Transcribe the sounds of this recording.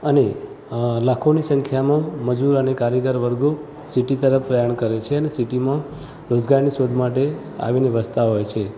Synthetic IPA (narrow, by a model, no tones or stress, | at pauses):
əne | lakʰonisə̃ŋkʰjamãməd͡ʒuɾənekaɾjəɡəɾʋəɾɡo | siʈit̪əɾəfpɾəjaɳkəɾet͡ʃʰeənesiʈimã | ɾod͡ʒɡaɾnisod̪ʱmaʈe | a̰ʋineʋəst̪ʰaɦojt͡ʃʰe